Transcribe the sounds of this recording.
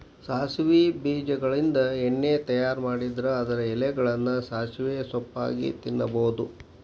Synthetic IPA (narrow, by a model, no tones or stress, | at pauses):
saːsʋibiːd͡ʒɐɡɐɭind̪ɐeɳːeːt̪ɐjaːɾmaːɽid̪ɐɾɐɐd̪ɐɾɐɛlɛɡɐɭɐnːɐsaːsʋeːsɔpːa̰ːɡḭt̪inːɐbɐwud̪u